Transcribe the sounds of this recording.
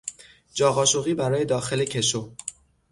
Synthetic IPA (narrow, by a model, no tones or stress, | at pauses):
d͡ʒɒːɣɒːʃoɣiːbæɾɒːje̞d̪ɒːxe̞le̞cʰe̞ʃo